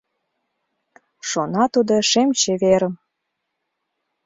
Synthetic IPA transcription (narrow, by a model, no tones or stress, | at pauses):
ʃonɑt̪ud̪oʃemt͡ɕeβeɾəm